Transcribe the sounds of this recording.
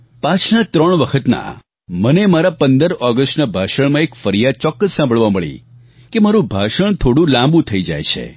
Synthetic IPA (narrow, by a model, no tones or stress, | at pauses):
pãt͡ʃʰnat̪ɾəɳʋəkʰət̪na̰ | mənemaɾapənd̪əɾɔɡəsʈnabʱaʃəɳmãekfəɾijad̪̚t͡ʃɔkːəsːãmbʱəɭʋaməɭḭ̃ | kemaɾũbʱaʃəɳt̪ʰoɽũlãmbũt̪ʰəid͡ʒa̰jt͡ʃʰḛ